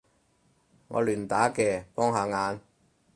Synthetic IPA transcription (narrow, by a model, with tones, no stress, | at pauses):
ŋɔ̰ː˨˧lyː˨˩nt̪aː˨˥kɛː˧fɔː˥ŋɦaː˨˧ŋaː˨˧n